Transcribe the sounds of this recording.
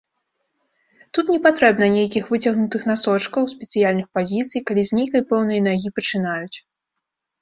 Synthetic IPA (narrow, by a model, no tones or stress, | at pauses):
t̪ut̪nʲɛpat̪ɾɛbnɐnʲejkʲixvɨt͡sʲɐɣnut̪ɨxnasɔt͡ʂkɐwsʲpʲɛt̪sɨjalʲnɨxpazʲit̪sɨjkalʲizʲnʲejkɐjpɛwnɐjɐnaɣʲipɐt͡ʂɨn̪ajut͡sʲ